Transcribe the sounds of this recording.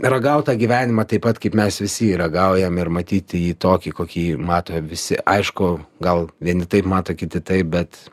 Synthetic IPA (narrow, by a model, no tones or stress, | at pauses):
rɐɡɐʊt̪ɑːɡʲiːʋʲæːnʲɪmɑːt̪ɐɪpɐt̪kɐɪpmʲɛsʋʲɪsʲɪiːɾɐɡɐʊjɛmɪrmɐt̪ʲiːt̪ʲjiːt̪oːkʲikoːkʲiːmɑːt̪oːʋʲɪsʲɪʔɐɪʃkʊɡɐlˠʋʲiɛnʲɪt̪ɐɪpmɑːt̪oːkʲɪt̪ʲɪt̪ɐɪp̚bʲɛt̪